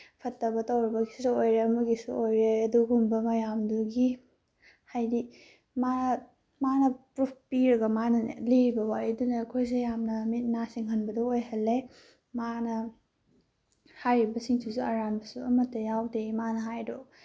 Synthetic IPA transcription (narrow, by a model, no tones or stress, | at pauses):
pʰɐtːɐbɐtɐwɾibɐɡisusuojɾeɐmɐɡisṵojɾeɐduɡumbɐmɐjamduɡi | hajdi | ma | manɐpɾupʰpiɾɐɡɐmanɐliɾibɐwajɐdunɐːkʰojs̬ejamnɐmit̚nasiŋɦɐnbɐdɔojɦɐlːe | manɐ | hajɾibɐsiŋsʰusuɐɾanbɐsuɐmɐtːɐjawdemanɐɦajdo